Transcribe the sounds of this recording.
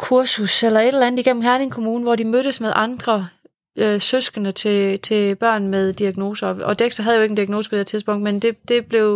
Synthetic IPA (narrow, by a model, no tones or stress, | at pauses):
kʰuɐsuselɐe̝d̥elænð̩ˠiɡ̥en̰m̩ɦæɐne̝ŋkʰo̝muːnəʋɒdimøɾ̥əsmeðˠʔɑ̈nd̥ʁɐ | øsøsɡ̥ənət͡sʰe̝t͡sʰe̝b̥ɶɐ̰nmeð̞ˠd̥iæɡ̥no̝ːsɐɒ̽d̥eɡ̥sd̥ɐɦæðˠjo̝e̝ɡən̩d̥iæɡ̥no̝ːsə̥pʰd̥eɐt͡sʰiðˠsb̥ɔ̽ŋ̰d̥mend̥e̝d̥e̝b̥le̝ʊ